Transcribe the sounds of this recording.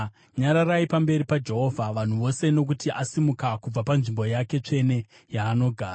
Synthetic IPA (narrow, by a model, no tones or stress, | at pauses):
ɲaɾaraipambe̞ɾipad͡ʒe̞ɦo̞vʱaʋan̤uʋo̞se̞no̞k̬utiʔasimukakub͡vapanʐimbo̞jake̞t͡ʂe̞ne̞ | jaːno̞ɡʱaːa